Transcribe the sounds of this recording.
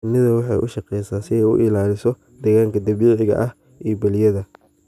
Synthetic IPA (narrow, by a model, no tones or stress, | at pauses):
nɪðɐwɑħɑ̰jʔʊ̰ʃɑqɛjsaːsɪɛjʊ̰ʔɪlaːlɪsɔ | d̪ɛɣaːŋkʰɐd̪ɐβiːʕɪɣɐ̰ʔɐh | ʔibɐlɪjɐðɐ